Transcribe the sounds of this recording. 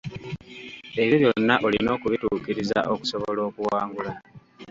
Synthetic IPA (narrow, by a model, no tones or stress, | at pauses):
e̞βjoβjo̞nːaʔolḭno̞ːkuβituːkiɾiza̰ʔo̞ku̥so̞βo̞lo̞ːkuwaːŋɡula